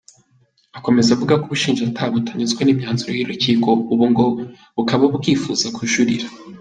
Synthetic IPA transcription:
ako̞me̞zavuɡakoβuʃiːnʒatʰaːβutaɲizɡwenimɲaːnzuɾo̰jiɾuciːko̞uβuŋɡo̞ | βukaβaβukiːfuːz̥akuʃuɾiɾḁ

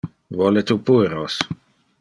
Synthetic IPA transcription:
vɔlet̪upuɾos

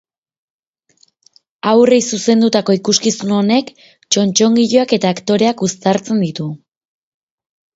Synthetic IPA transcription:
awre̞jsuse̞nd̪ut̪ako̞ikuskisuno̞ne̞k | t͡ʃo̞nt͡ʃo̞ŋɡiʎoake̞t̪aːkt̪o̞ɾe̞akust̪aɾt͡se̞nd̪it̪u

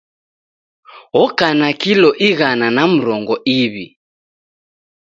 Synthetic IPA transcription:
ɔkanakilɔʔiɣananam̩ɾɔŋɡɔʔiβi

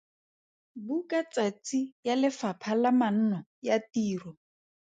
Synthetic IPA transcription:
bukʼat͡sʼat͡sijalɪfapʰalaman̩nɔjatiːrɔ

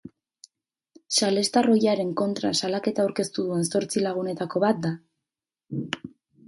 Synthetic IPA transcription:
sale̞st̪aro̞jaɾe̞ŋko̞nt̪ɾa̰salake̞t̪aːwɾke̞st̪uðue̞nso̞ɾt͡silaɣ̞une̞t̪ako̞βat̪̚d̪a

